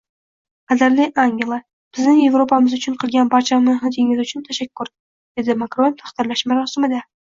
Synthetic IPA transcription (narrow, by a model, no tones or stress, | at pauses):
qazaɾlɪʔaŋɡʲelˠa | b̥ɪznɪŋje̞vɾopʰamɪzʊt͡ʃʰʊɴqʰɨlˠɡʲanbaɾt͡ʃʰamɪɦɪt̪ʰeŋɪzʊt͡ʃʰʊnt̪ʰaʃakʲːʊɾ | d̪̥e̞d̪ɪmakɾo̞nt̪ʰḁχt̪ɪɾlaʃmaɾɒsɪmɪd̪a